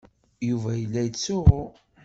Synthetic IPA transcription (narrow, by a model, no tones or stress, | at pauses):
juvæjəlːæjət͡sːʊʁʊ